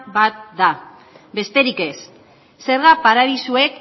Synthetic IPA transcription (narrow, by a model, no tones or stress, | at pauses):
bat̪̚d̪a | be̞st̪e̞ɾike̞s | se̞ɾɣapaɾaðisue̞k